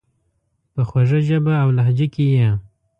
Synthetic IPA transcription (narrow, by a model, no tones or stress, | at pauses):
pəxwaʐəʒəbaːwlaɦd͡ʒəkeja